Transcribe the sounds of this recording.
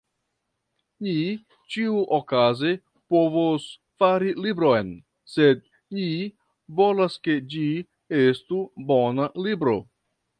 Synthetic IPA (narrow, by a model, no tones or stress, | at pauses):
ni | t͡ʃiuʔokaze | po̞vos | faɾilibɾojn | se̞d̚ | ni | vo̞laske̞d͡ʒi | estubo̞nalibɾo̞̰